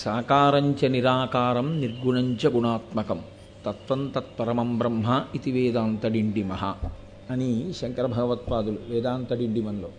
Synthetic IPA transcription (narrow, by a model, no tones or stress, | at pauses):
saːkaːɾɐɲt͡ʃɐniɾaːkaːɾɐmniɾɡuɳɐɲt͡ʃɐɡuɳaːt̪mɐkɐm | t̪ɐt̪ʋɐnt̪ɐt̪̚pɐɾɐmɐmbɾɐmɦɐit̪iʋeːd̪aːnt̪ɐɖiɳɖimɐɦɐ̰ | ɐniʃɐŋkɐɾɐbʱɐɡɐʋɐt̪̚paːd̪uluʋɛːd̪aːnt̪ɐɖiɳɖimɐnloː